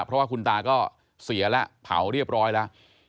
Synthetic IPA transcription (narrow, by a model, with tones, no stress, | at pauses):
pʰɾɔ˦˥waː˥˩ku˧nt̪aː˧kɔː˥˩ | si˨˩˦ɐlɛ˦˥pʰa̰˩˦wɾi˥˩əp̚ɾɔː˦˥jlɛ˦˥